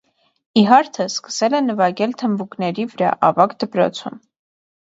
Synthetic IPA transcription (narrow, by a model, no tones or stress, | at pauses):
iɦɑɾt̪ʰəskə̥sɛlɛnəvɑɡɛlt̪ʰəmbuknɛɾivəɾɑ̰ʔɑvɑkd̪əpɾɔ̰t͡sʰum